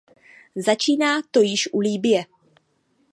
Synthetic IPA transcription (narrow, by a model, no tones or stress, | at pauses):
zat͡ʃiːnaːt̪o̞jɪʃʔuliːbɪjɛ